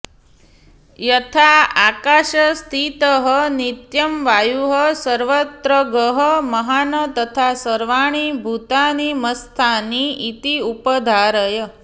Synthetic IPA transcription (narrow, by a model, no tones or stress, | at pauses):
jət̪ʰaa̰kaʃəst̪ʰit̪əɦənit̪jəmʋajuɦəsəɾʋət̪ɾəɡəɦəməɦanət̪ət̪ʰasəɾʋaɽ̃ibʱut̪añiməst̪ʰaniit̪iupəd̪ʱaɾəjə